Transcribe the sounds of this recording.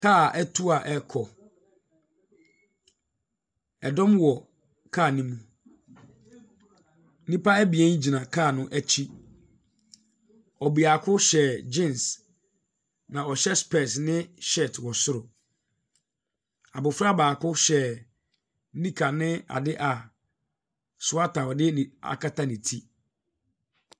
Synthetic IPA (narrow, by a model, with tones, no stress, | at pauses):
kʰa˦˨ɛ˦tʰu˦a˨ʔɛ˦kʰɔ˨ | ɛ˨dɔ̃˦mwɔ˨ | kʰa˦˨nĩ˦mũ˨ | n˦nĩ˦pa˦æ˦bi˨ɛ̃˦n˦d͡ʑi˨nã˨kʰa˦˨nʊ̃˦ʔæ˦t͡ɕʰi˦ | ɔ˨bi˨a˨kʰʊ˦ɕɛ˨d͡ʑĩ˦˨ns | nã˨ɔ˨ɕɛ˦spɛ˨snɪ̃˦ʃɛ˦˨tʰwɔ˨sʊ˦ɾʊ˨ | a˨bʊ˨fɾa˦baː˨kʰʊ˦ɕɛ˨˦ | nĩ˦kʰa˨nɪ̃˦a̰˨dɪ˦ʔa˨ | sʊ˨˦a˦tʰa˨wɔ˨dɪ˦n˨a̰˨kʰa˦tʰa˦nĩ˨tʰi˦